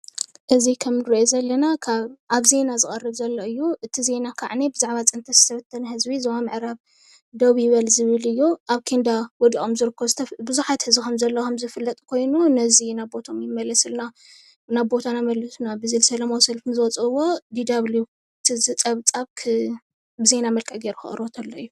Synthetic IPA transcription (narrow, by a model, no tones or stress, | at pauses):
ʔɨzikʰɐmnɨɾiʔozɐlːɐnakʰaβʔaβze̞nazɨkʼɐrɨβzɐlːoɨjːuʔɨt̪ʰize̞nakʰa̰ʕnebɨzaʕβat͡sʼɨnt̪ʰɐz̥ɨt̪ʰɐβɐt̪ʰːɐnɐhɨzbizɐwamɨʕɾaβ | d̪ɐβjɪβɐlzɨβɨlɨjːuʔaβkʰend̪awɔd̪iʔʼomzɨɾɨkʰːozɨt̪ʰɐbɨzuħat̪hɨzbikʰɐmzɐlːɐkʰɐmzɨfɨlːɐt̪ʼukʰo̞jnunɐzinabbo̞t̪ʰo̞mjɪmːɐlɐsɨlna | naβbo̞t̪ʰanamɐlːɐsunabɨzɨlsɐlɐmowsɐlfnzɨwɔt͡sʼɨwo̞d̪id̪aβlu | ɨt̪ʰizɨt͡sʼɐβt͡sʼaβkʰɨ | bɨze̞namɐlkʼɐɡeɾuxɨ̰χʼɨ̰ɾot̪ʰɐlːoɨjːu